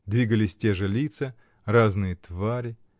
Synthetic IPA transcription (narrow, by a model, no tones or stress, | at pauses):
d̪vʲiɡəlʲɪsʲtʲeʐɨlʲit̪sə | raznɨjət̪vaɾʲɪ